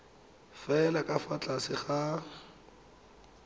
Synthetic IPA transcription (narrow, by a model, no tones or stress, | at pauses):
fɛlakʼafat͡ɬʼasɪχa